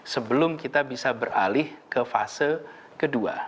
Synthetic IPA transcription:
səbəlʊmkit̪abisabəralɪhkəfa̰sə | kədua̰

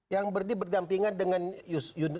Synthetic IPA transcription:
jaŋbərdibərdampiŋandəŋanjujun

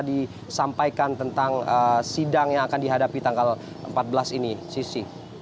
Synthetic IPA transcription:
di | sampajkant̪ənt̪aŋəsidaŋjaŋakandiɦadapit̪aŋɡal | ʔə̰mpat̪̚bəlasinisisi

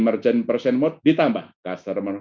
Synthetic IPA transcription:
mərt͡ʃənpərsɛnmɔt̪̚dit̪ambahkasərmər

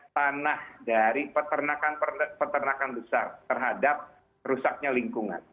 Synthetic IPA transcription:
t̪anahdaɾipət̪ərnakanpərpət̪ərnakanbəsart̪ərɦadap̚ | rusak̚ɲaliŋkuŋa̰n

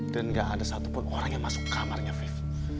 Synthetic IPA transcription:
danŋɡaʔːdasat̪u̥pʊnoɾaŋjaŋmasʊ̥kːamarɲafif

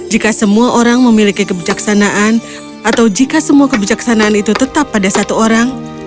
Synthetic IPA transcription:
d͡ʒikasəmuaʔoɾaŋməmilikikəbid͡ʒaksanaʔan | ʔat̪awd͡ʒikasəmuakəbid͡ʒaksanaːnit̪ut̪ət̪apːadasat̪uoɾaŋ

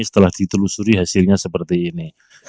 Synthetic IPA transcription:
sə̥t̪əlahd̥it̪əlusuɾiɦasɪlɲasəpərt̪iːni

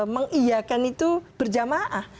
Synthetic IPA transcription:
məŋijakanit̪ub̥ərd͡ʒamaʔah

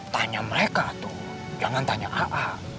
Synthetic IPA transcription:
t̪aɲaməɾekat̪u | d͡ʒaŋant̪aɲa̰ʔaʔa

